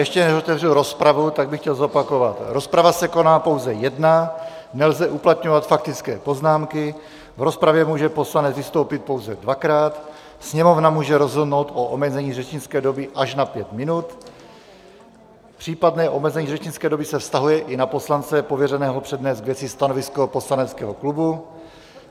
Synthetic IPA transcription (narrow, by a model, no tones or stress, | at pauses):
jɛʃcɛnɛzot̪ɛvrɪlɾo̞spɾavut̪aɡ̚bɪxcɛlzo̞pako̞vat̪ɾo̞spɾavasɛko̞naːpo̞wzɛjɛdna | nɛlzɛʔuplat̪ɲovat̪fak̚t̪ɪt͡skɛːpo̞znaːmkɪ | vɾo̞spɾavjɛmuːʒɛpo̞slanɛd͡zvɪst̪o̞wpɪt̪̚po̞wzɛdvakɾaːt̪ | sɲɛmo̞vnamuːʒɛɾo̞zɦodno̞wt̪ʔoʔomɛzɛɲiːrɛt͡ʃɲɪnt͡skɛːdo̞bɪʔaʃnapjɛt̪mɪnut̪ | pr̥iːpadnɛːʔomɛzɛɲiːrɛt͡ʃɲɪt͡skɛːdo̞bɪsɛfst̪aɦujɛʔɪnapo̞slant͡sɛpovjɛrɛnɛːɦopr̥ɛdnɛːzɡvjɛt͡sɪst̪ano̞vɪsko̞po̞slanɛt͡skɛ̰ːɦo̞klubu